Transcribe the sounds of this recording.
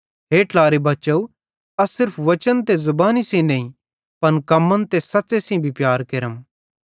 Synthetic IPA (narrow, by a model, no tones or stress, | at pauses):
ɦeːʈlaːɾebɐt͡ʃɐu | ɐsɪɾpʰʋɐt͡ʃənt̪ezɐbaːnisĩnɐ̃ĩ | pɐnkɐmːənt̪esɐsesĩbʱipjaːɾkeɾəm